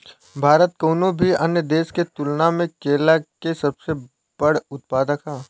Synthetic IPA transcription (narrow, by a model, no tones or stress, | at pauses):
bʱaːɾət̪̚koːnobʱiɐnjəd̪eːsket̪ʊlnamẽkeːlakesɐbse | b̥əɽʊt̪̚paːd̪əkaː